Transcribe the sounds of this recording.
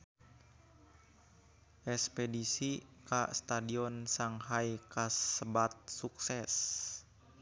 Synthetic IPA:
ʔɛspedisikast̪adiɔnsaŋɦajkasəbat̪̚suksɛs

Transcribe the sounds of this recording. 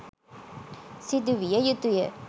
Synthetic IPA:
sid̪uʋijəjut̪ujə

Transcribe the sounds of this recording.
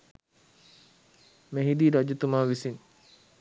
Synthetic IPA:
meɦid̪iːɾad͡ʒut̪umaːʋisin

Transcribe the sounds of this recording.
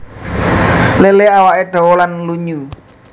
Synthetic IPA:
leleawaʔeɖ̥ɔ̤wɔlanluɲu

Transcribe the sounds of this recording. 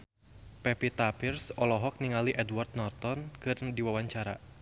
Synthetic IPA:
pɛpit̪apirsɔlɔɦɔk̚niŋaliʔɛdward̪̚nɔrt̪ɔnkɨrdiwawaɲt͡ʃaɾa̰

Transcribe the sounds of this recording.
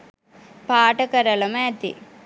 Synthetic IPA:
paːʈɐkɐɾɐlɐmaːt̪ḭ

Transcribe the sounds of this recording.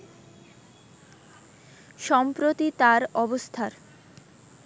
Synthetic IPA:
ʃɔmpɾot̪it̪aɾɔbost̪ʰaɾ

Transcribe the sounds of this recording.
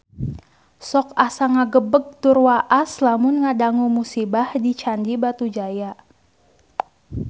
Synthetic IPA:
sɔkasaŋaɡəbəɡ̚t̪urwaʔaslamʊnŋadaŋumusibahdit͡ʃandibat̪ud͡ʒaja

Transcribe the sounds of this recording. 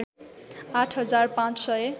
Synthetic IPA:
aʈʰɦʌd͡zarpãt͡ssʌj

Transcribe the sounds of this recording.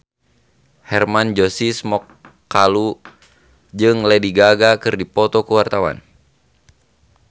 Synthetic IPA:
hɛrmand͡ʒɔsismɔkː | alu | d͡ʒɨŋlɛdiɡaɡakɨrdipɔt̪ɔkuwart̪awa̰n

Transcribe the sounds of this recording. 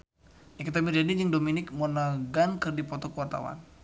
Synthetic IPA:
akit̪amird͡ʒadid͡ʒəŋdominɪk̚mɔnaɡankɨrdipɔt̪ɔkəuwart̪a̰wa̰n

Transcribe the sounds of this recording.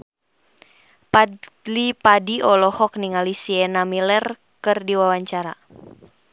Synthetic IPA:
palipadiɔlɔhɔk̚niŋalisiɛnamilɛr | kɨrdiwawaɲt͡ʃaɾa

